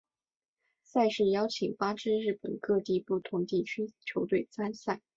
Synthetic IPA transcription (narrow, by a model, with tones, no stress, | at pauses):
sa˥˧ɪʂɻ̩˥˩jɑ˥ʊt͡ɕʰi˨˩ŋpa˥ʈ͡ʂɻ̩˥ɻɻ̩˥˩pə̰˨˩nkɤ˥˧t̪i˥˧pu˥˩t̪ʰʊ˧˥ŋt̪i˥˩t͡ɕʰy˥t͡ɕʰjo˧˥ʊt̪we˥˩ɪt͡sa˥nsa˥˩ɪ